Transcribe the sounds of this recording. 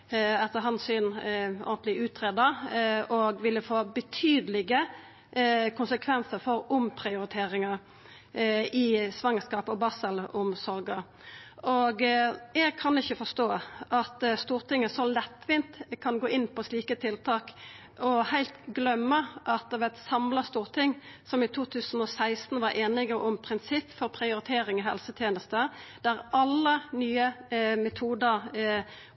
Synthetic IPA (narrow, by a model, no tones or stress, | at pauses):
ɑt̪əɦɑnsʏnɔ̰ɡənt̪lɪʉːt̪ɾeːd̪əɾɔɡʋɪlːəfoːbət̪ʰyːd̪əlɪɡə | kʰʊnsəkʰʋɛnsəɾfɔɾʊmpʰʁɪʊɾɪt̪ʰeːɾɪŋɑ | ɪsʋɑŋːəskɑːpɔbɑsəlʊmsɔɾɡə | ɔɡɛɡ̚kʰɑnɪçːəfɔst̪oːʔɑt̪st̪uːʁt̪ɪŋːəsɔlɛt̪ːʋɪnt̪kʰɑnɡoːʔɪnːpʰɔsliːkət̪ʰɪlt̪ʰɑːk | ɔhæɪlt̪ɡlœmːəʔɑt̪̚d̪ɛʋɛt̪sɑmlɑst̪uːʁt̪ʰɪŋːsɔmɪt̪ʰuːt̪ʰʉːsən̩ɔsæɪst̪n̩ʋɑɾʔeːnɪɡəʔʊmpʰʁɪnsɪpːfɔɾpʰʁɪʊɾɪt̪ʰeːɾɪŋɔɦɛ̰lsət̪ʰjeːnəst̪əd̪̥æɾɑlːənyːəmɛt̪ʰuːd̪əʁ